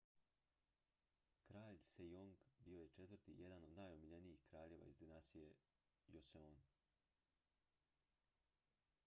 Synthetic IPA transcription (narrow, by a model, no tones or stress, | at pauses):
kɾaːʎsejoŋɡbio̞je̞t͡ʃe̞t̪ʋɾt̪ḭje̞d̪ano̞d̪naːjomiʎenijixkɾaːʎe̞ːʋa̰izd̪inast̪ije | joseon